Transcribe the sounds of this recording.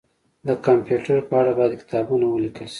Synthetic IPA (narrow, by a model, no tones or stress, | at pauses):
d̪əkampjuʈaɾpəaɽabɑjad̪kɪ̥t̪ɑbunawəlikəlʃi̥